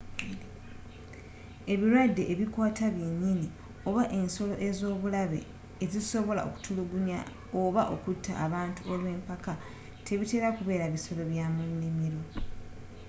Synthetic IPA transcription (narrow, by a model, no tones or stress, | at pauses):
e̞βiɾwadːe̞ʔeβikwaːtaβjeɲːini | o̞βaʔe̞nso̞lo̞̰ʔe̞zo̞ːβulaβe̞̰ː | ziso̞βo̞la̰o̰ku̥tʰuluɡunja̰ | oβaʔo̞kutʰːa̰ʔːβaːntuolwe̞ːmpaka | tʰe̞βite̞ːɾakuβe̞ːɾaβiso̞lo̞βjaːmunːimiɾo̞